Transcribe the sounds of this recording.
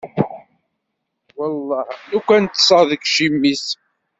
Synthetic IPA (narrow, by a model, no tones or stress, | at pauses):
wɑlˤːɑhnukʷænt̪ːsˤɑðəkʃimːis